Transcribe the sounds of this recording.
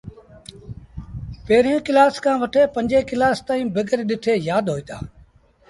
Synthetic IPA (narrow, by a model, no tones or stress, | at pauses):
peːɾjõːkɪlaːskãːʋəʈʰeːpə̃ɲʲd͡ʒeːkɪlaːst̪aːĩːbəɡəɾɗɪʈʰeːjaːd̪ɦoːiːt̪a̰ː